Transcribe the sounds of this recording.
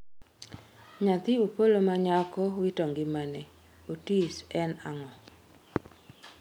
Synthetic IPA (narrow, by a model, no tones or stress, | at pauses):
ɲat̪ɪopolomaɲakɔwitɔŋɡɪmanɛ | otisɛnaŋɔ